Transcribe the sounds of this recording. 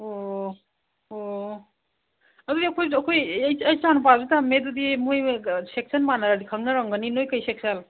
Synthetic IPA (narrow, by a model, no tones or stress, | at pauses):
o | o | ɐdudiɐkʰojɐkʰojjɐjt͡ʃanp̬azutamedudimujsek̚sɐnmanaɾɐdikʰɐŋnɐɾɐŋɡɐninojkɐjsek̚sal